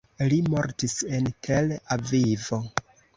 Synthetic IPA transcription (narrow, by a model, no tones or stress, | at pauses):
limo̞ɾtise̞ntʰelavivo̞